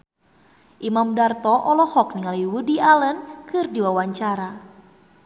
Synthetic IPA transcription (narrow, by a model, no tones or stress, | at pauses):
ʔimamdart̪ɔʔɔlɔhɔk̚niŋaljiwudialənkɨrdiwawaɲt͡ʃaɾa